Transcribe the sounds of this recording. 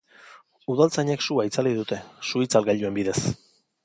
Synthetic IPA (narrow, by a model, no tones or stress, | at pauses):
uðalt͡saɲeksuait͡saliðut̪e̞suit͡salɡaʎue̞mbiðe̞s